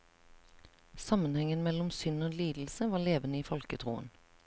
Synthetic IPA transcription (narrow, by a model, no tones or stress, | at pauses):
sɑmənhɛŋənmɛlʊmsʏnoːliːd̪l̩səʋɑːleːʋənəiːfɔlkət̪ʰʁṵːə̰n